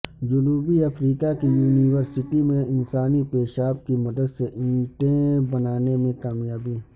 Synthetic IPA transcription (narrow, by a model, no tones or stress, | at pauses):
d͡ʒʊnuːbiɐfɾiːkakijuːniʋəɾsɪʈimẽɪnsaːnipeːʃaːbkimɐd̪əd̪seʔĩːʈẽbɐnaːnemẽkaːmjaːbiː